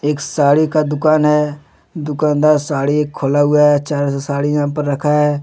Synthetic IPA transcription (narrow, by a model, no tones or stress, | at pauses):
eːksaːɽikad̪ʊkaːnɦɛː | d̪ʊkaːnd̪asaːɽieːkʰːoːlaɦʊaɦɛt͡ʃaːɾsaːɽijɐɦãpəɾːɐkʰaɦɛː